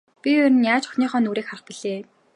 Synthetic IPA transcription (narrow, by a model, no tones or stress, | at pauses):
pʲiɵɾɘ̆njaːt͡ɕʊ̥xniːχœːnuːɾeːkχaɾə̆χpiɮeː